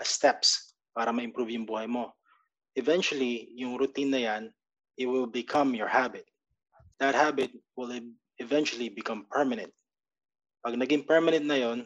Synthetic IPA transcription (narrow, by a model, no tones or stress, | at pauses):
ʔɐst̪ɛps | paːɾɐmɐʔɪ̃mpɾubjʊŋbuːhɐjmo̞ | ʔɛvɛnt͡ʃʊwɐlijʊŋɾʊt̪inːɐjan | ɪt̪̚wɪlbɪkʰɐmjɔɹhabɪt̪̚ | d̪̥ɐt̪̚habɪt̪̚wɪl | ɛvɛ̃nt͡ʃʊɐlibɪkɐ̃mpɛɹmɐnɛ̰nt̪̚ | pɐɡ̚nɐɡɪŋpɛɹmɐnɛ̃nt̪̚nɐjo̞n